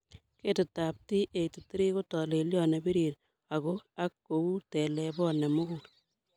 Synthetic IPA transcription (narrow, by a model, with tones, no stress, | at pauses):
ke˦tɪ˨ta˨p̚ti˦ʔe˨tu˨ti˦ɾi˦ko˦tɔ˨le˨ljɔ˦nɛ˨bi˦ɾiɾ | a˨ɣo˦a˦kːo˨u˦tɛ˨lɛ˨bɔ˦nɛ˨mo˦ɡu